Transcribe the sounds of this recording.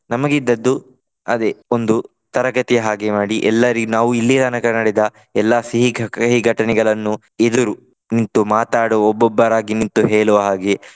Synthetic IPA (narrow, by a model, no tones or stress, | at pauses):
nɐmɐɡid̪ːɐd̪ːu | ɐd̪eond̪u | t̪ɐɾɐɡɐt̪ijɐɦaːɡemaːɽiʔɛlːɐɾiɡnaːʋuilːid̪ɐnɐkɐnɐɽed̪ɐ | ɛlːasiɦiɡʱɦiɡʱɐʈɐnɛɡɐɭɐnːu | ed̪uɾu | nint̪umaːt̪aːɽoɔbːɔbːɐɾaːɡinint̪uɦeːɭɔʋɐɦaːɡe